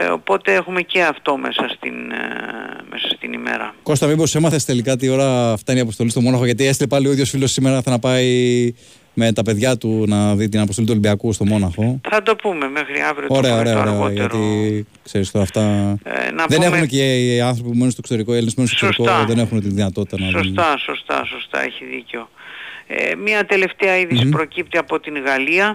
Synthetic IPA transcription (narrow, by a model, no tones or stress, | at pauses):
o̰po̞t̪eexumeceɐft̪o̞mesɐst̪in | mesɐst̪inimḛɾɐko̞st̪ɐmibo̞semɐθest̪e̞likɐt̪̬io̞ɾɐːft̪ɐiniɐpost̪o̞list̪o̞mo̞nɐxoʝɐt̪ie̞st̪ilepɐlioiðʝo̞sfilo̞sːime̞ɾɐθɐnɐpɐi | me̞t̪ɐpe̞ðʝɐt̪unɐðit̪inɐpost̪o̞lit̪uoibiɐkust̪o̞mo̞nɐxo̞θɐd̪o̞pume̞mexɾiɐvɾiooɾe̞ɐoeɐoɾeɐoʝɐɾi | kse̞ɾist̪oɐft̪ɐ̰nɐðene̞xuneceiɐnθɾo̞pipumenunst̪o̞kst̪o̞ɾikoelinsmenusoksoiskoðe̞ne̞xunet̪inðinɐt̪ot̪i̥t̪ɐɐnɐðsost̪ɐsost̪ɐ̰sost̪ɐ̰eçiðiceo̞ḛmɐt̪e̞le̞ft̪eɐiðisipɾo̞cip̚t̪iɐpo̞t̪inɣɐliɐ